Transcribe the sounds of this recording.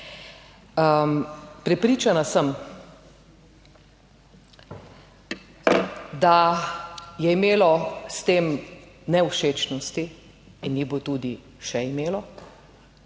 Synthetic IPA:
əpɾɛpɾiːt͡ʃanasəm | d̪a | jɛimeːlɔst̪eːm | nɛwʃeːt͡ʃnɔst̪i | inːibot̪uːd̪i | ʃɛimeːlɔ

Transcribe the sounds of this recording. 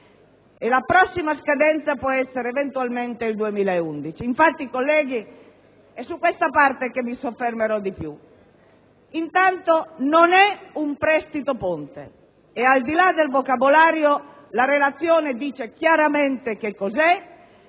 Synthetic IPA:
elapɾɔsːimaskad̪ɛnt̪sapwɔɛsːeɾeːvent̪ualment̪eild̪uemiːlaeund̪it͡ʃiːɱfat̪ːiːkolːɛːɡ̟i | ɛsːukːwest̪apart̪ekemːisofːermeɾɔd̪ipju | int̪ant̪ononɛumpɾɛst̪it̪opont̪ḛ | eald̪ilad̪elvokabolaːɾjo | laɾelat̪sːjoːned̪iːt͡ʃek̟jaɾament̪ekekːozɛ

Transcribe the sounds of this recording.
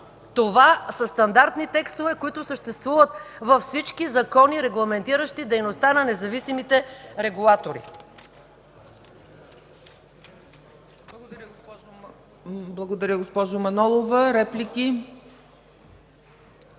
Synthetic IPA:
t̪ovasɐst̪ɐnd̪aɾt̪nit̪ɛkst̪ovɛkoit̪ʊsəʃt̪ɛst̪vuvət̪vɐfsit͡ʃkizɐkɔniɾɛɡlˠɐmɛnt̪iɾəʃt̪id̪ɛjnost̪anɐnɛzɐvisimit̪ɛɾɛɡulˠat̪oɾḭ | blˠɐɡod̪ɐɾʲəɡo | blˠɐɡod̪ɐɾʲəɡospɔʒomɐnɔlˠovəɾɛpliki

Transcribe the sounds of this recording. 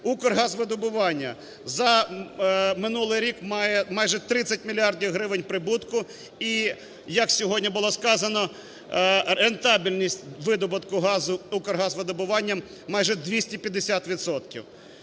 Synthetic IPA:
ukɔrɦɑzʋɪd̪ʊbʊʋɑnʲːɐ | zɐ | mɪnulˠɪjɾʲikmɑjɛmɑjʒɛt̪ɾɪt͡sʲɐtʲmʲilʲiɑrdʲiwɦɾɪʋenʲpɾɪbut̪kʊ | i | jɐksʲɔɦɔdʲnʲibʊlˠɔskɑzɐnɔ | ɾent̪ɑbʲilʲnʲisʲtʲʋɪd̪ɔbʊt̪kʊɦɑzʊukɔrɦɑzʋɪd̪ʊbʊʋɑnʲːɐmː | ɑjʒɛd̪ʋʲisʲtʲipʲjɐd̪ːesʲat̪ʋʲit̪sɔt̪kʲḭw

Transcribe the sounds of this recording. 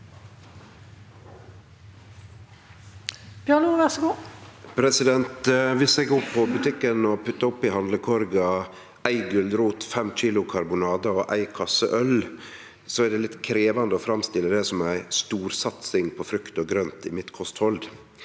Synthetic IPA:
bjɑnuːʋæsəɡuːpʰɾɛsɪd̪ɛnt̪ʋɪsɛɡoːpʰɔbʉt̪ʰɪkːənɔpʰʉt̪ːəɔpːɪhɑnd̪ləkʰɔɾɡɑ | æɪɡʉld̪ɾuːt̪fɛmc͡çiːlʊkʰɑɾbʊnɑːd̪ɑɔʔæ̰ɪkʰɑsə̰ʔœl | sɔɛd̪ɛlɪt̪kʰɾeːʋɑnd̪əɔfɾɑmst̪ɪlːəd̪ɛsɔmæɪst̪uːɾsɑt̪sɪŋpʰɔfɾʉkt̪oːɡɾœnt̪ɪmɪt̪kʰɔst̪hɔld̪

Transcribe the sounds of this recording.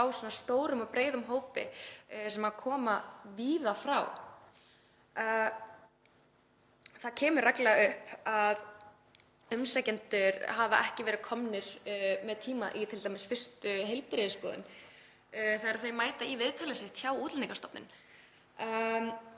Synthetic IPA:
awsɔnːast̪oːwɾʏmapɾeːjðʏmɦoːwpɪ̰sɛmakʰɔːmaviːðafɾa̰w | θacʰɛːmʏɾraklɛɣaʏhpað | ʏmsɛcɛnt̪ʏɾhava̰ʔɛhcɪvɛːɾɪðkʰɔmnɪɾ̥mɛðt̪ʰiːmaʔit̪ʰɪlt̪ajmɪsfɪr̥st̪ʏɦejlpɾɪðʏskɔ̰ːðʏ̰n | θajɛɾaθejmaːjt̪aivɪðt̪ʰaːlɪsɪht̪çawuːt̪laniŋkast̪ɔpnɪ̰n

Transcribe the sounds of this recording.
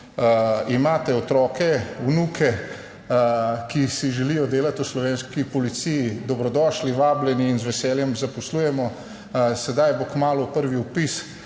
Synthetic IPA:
imaːt̪ɛɔt̪ɾɔːkɛunukʰɛ | kisiʒɛlijɔd̪eːlat̪uslɔʋeːnskipɔlit̪sijid̪ɔbɾɔd̪ɔːʃliʋaːblɛniːnzʋɛsɛːljɛmzapɔsluːjɛmɔ | sɛd̪ajbokmaːlupəɾʋiupis

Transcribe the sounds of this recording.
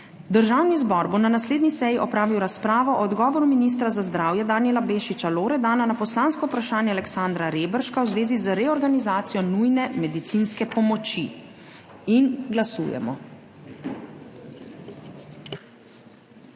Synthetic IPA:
d̪əɾʒaːwnizbɔɾbonanasleːd̪nisɛjiʔɔpɾaːʋiwɾaspɾaːʋɔʔɔːd̪ɡɔːʋɔɾuminis̬t̪ɾazazd̪ɾaːwjɛd̪aːnjɛlabeʃit͡ʃaloːɾɛd̪aːnanapɔslaːnskɔwpɾaʃaːnjɛalɛksand̪ɾaɾeːbəɾʃkawzʋeːzizəɾɛɔɾɡanizaːt̪sijɔnujnɛmɛd̪it̪sinskɛpɔmɔt͡ʃi | inɡlasṵːjɛ̰mɔ̰

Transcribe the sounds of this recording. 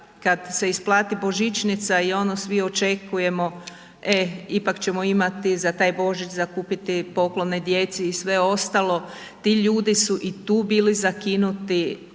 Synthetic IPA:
kad̪se̞isplˠaːt̪ibo̞ʒit͡ʃnit̪saio̞nosʋio̞t͡ʃe̞kuje̞mo̞ | e̞ipakt͡ɕe̞mo̞imat̪izat̪aːjbo̞ʒit͡ʃzakuːpit̪ipo̞kloned̪je̞t̪seisʋe̞o̞st̪alˠo̞ | t̪iʎuːd̪isuʔit̪uːbiːlizakinut̪i

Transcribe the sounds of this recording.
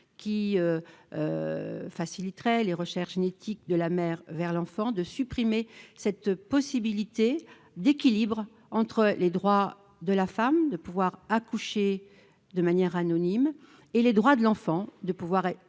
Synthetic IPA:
kʲiøø̰fasilit̪ʁɛleʁəʃɛʁʒinet̪ʰik̚d̪əlamɛʁvɛʁlɑ̃fɑ̃d̪əsypχimesɛt̪pɔsibilit̪e | d̪ekʲilibʁ | ɑ̃t̪χəled̪ʁwa | d̪əlafamd̪əpuvwaʁakuʃe | d̪əmanjɛʁanɔnim | eled̪ʁwad̪əlɑ̃fɑ̃d̪əpuvwaʁɛ

